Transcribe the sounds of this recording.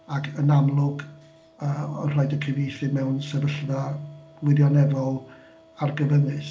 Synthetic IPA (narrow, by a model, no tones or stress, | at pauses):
akʰənamlˠʊɡ | əːɔnr̥ajdəkʰɪvejθɪmɛwnsɛvəɬðḁ | wɪðjɔnɛvɔlˠ | arɡəvənɪθ